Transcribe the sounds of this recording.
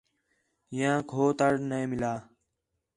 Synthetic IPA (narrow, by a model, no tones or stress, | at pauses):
jãːkʰoːt̪əɽnemɪlaː